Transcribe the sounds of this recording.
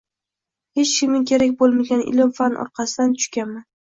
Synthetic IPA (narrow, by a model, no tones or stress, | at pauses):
he̞t͡ʃkʲɪmɪkʲʰe̞ɾakʲbolˠmaɡʲanɪ̰lɪmfanʔɒ̰ɾqɑsɪd̪ant̪ʰʊ̥ʃkʲanman